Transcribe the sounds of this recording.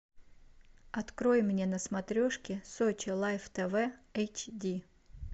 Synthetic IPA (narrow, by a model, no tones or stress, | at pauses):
ɐt̪kɾojɪmnʲenəsmɐt̪ɾʲoʂkʲɪsot͡ɕɪlˠajft̪ɛvɛejt͡ɕdʲi